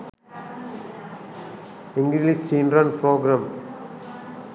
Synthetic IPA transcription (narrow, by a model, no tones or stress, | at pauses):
ɪŋɡlilit͡ʃiːnɾanpɾoːɡɾam